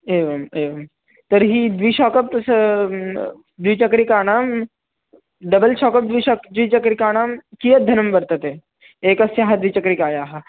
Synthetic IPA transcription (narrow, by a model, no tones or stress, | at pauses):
eːʋɐmeːʋɐm | t̪ɐɾɦid̪ʋiʃɔːkɐp̪̚s | d̪ʋit͡ʃɐkɾikaːɽaːm | d̪ɐbɐlʃɔːkɐp̚d̪ʋiʃɔkd̪ʋit͡ʃɐkɾikaːɽ̃aːmkijɐd̪ʱɐnɐmbɐɾt̪ɐt̪e | eːkɐsjaɦɐd̪ʋit͡ʃɐkɾikaːjaːɦɐ